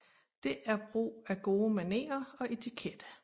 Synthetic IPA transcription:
d̥e̝ʔæɐb̥ʁṵːæɡ̥o̝ːmæne̝̰ːɐɒ̽e̝t͡sʰikʰed̥ə

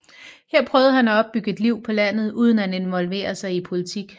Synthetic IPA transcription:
heɐ̰pʰʁœːʊð̞̩ˠhænæɒ̽b̥ːyɡ̥əe̝d̥liʊ̰pʰɒ̽læn̰ð̞̩ˠuːð̞ˠən̩æne̝nʋɒ̽lʋe̝̰ːɐsɑ̈ɪipʰo̝lit͡sʰiɡ̥

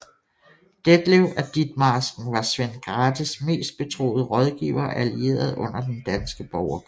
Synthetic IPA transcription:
d̥ed̥leʊʔæd̥id̥̚mɑsɡ̥̚n̩ʋɑ̈sʋenɡ̥ʁɑːd̥isme̝̰ːsd̥̚b̥e̝t͡sʰʁo̰ːð̩ˠəʁɒ̽ð̞ˠɡ̥iːʊɐːʔælie̝̰ːɐð̞̩ˠʔɔ̽n̰ɐd̥end̥ænsɡ̥əb̥ɒʊɐɡ̥

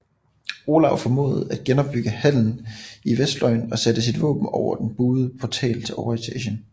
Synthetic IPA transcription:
o̝lɑ̈ʊfɒ̽mo̝̰ːð̩ˠæd̥̚ɡ̥enɒ̽b̥̚b̥yɡ̥əhæl̰n̩iʋesd̥lɒ̽ɪnɒ̽sæd̥əs̬id̥ʋɔ̰̽ːb̥n̩ɒʊ̰ɐd̥enb̥uːð̩ˠəpʰɒt͡sʰɛ̰ːlt͡sʰe̝ɒʊit͡sʰɛɕən

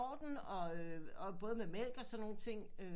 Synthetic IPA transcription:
ɒ̰ːd̥n̩ɒ̽øɒb̥ɔ̽ːð̞̩ˠmemel̰ɡ̥ɒ̽sɒ̽nːo̝ːn̩t͡sʰe̝ŋ̰ø

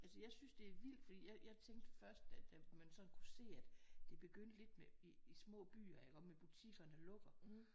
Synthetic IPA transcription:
ʔælsəjɑ̈ɪsynsd̥e̝æɐʋil̰d̥fɒd̥ḭːjɑ̈ɪjɑ̈ht͡sʰeŋ̰ɡ̥̚d̥fɶɐsd̥æd̥æmænsɒ̽nkʰuse̝̰ːæd̥d̥e̝b̥e̝ɡ̥øn̰d̥le̝d̥meiːsmɔ̰̽ːb̥y̰ːɐɑkʰɒ̽mmeb̥ut͡sʰiɡ̥ɐnælɔ̽ɡ̥ɐ

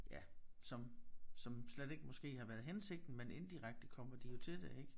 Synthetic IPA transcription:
jæsɒ̽msɒ̽msled̥e̝ɡ̥əmɒ̽sɡ̥e̝̰ːhɑ̈ʋæːɐð̞̩ˠɦense̝ɡ̥̚d̥n̩mene̝nd̥iʁaɡ̥̚d̥əkʰɒ̽m̰ɐd̥ijo̝t͡sʰe̝d̥eeɡ̥

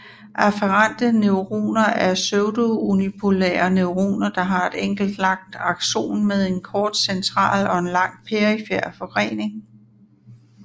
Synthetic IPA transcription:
ʔæfəʁɑnd̥əneʊʁo̝̰ːnɐʔæɐsøʊdoonipʰulḛːɐneʊʁo̝̰ːnɐd̥ɑ̈ɦɑ̈e̝d̥eŋ̰ɡ̥l̩d̥lɑ̈ɡ̥̚d̥ɑ̈ɡ̥ɕo̝̰ːnmeðˠe̝nkʰɒːd̥sent͡sʰʁɑ̰̈ːlɒ̽e̝nlɑ̈ŋ̰pʰeʁifeɐ̰fɒʁḛːne̝ŋ

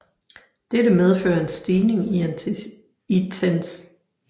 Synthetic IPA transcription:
d̥edəmeð̞ˠfø̰ːɐe̝nsd̥iːne̝ŋiæ | it͡sʰens

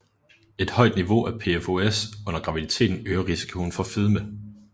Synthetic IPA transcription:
e̝d̥hɒ̽ɪ̰d̥niʋo̝ʔæpʰe̝efo̝esɔ̽n̰ɐɡ̥ʁɑ̈ʋid̥it͡sʰe̝̰ːd̥n̩øːɐʁisi̥kʰo̝n̩fɒ̽fið̞ˠmə

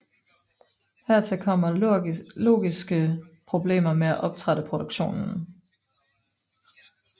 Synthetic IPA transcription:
hæɐ̰t͡sʰe̝lkʰɒ̽m̰ɐlo̝̰ːɡ̥isɡ̥əpʰʁo̝b̥le̝̰ːmɐmeæʔɒ̽b̥̚t͡sʰʁaɾ̥əpʰʁo̝ɾ̥oɡ̥ɕo̝̰ːnn̩

